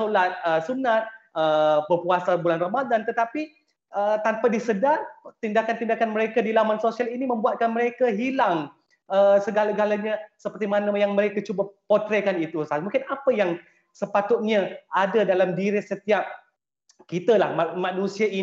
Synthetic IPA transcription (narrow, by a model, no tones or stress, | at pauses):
olat̪̚əsunat̪̚əbəpuasabulanrəmadant̪ət̪api | ʔət̪ampadisədat̪indakant̪indakanməɾekadilamansosialinimə̃mbuat̪̚kanməɾekaɦilaŋ | əsəɡalaɡalaɲasəpərt̪imanajaŋməɾekat͡ʃubapot̪ɾekanit̪usamuŋkɪnapəjaŋ | səpat̪ʊt̪̚ɲaadadalamdiɾɪsət̪iap̚ | kit̪alahmanũsiaʔi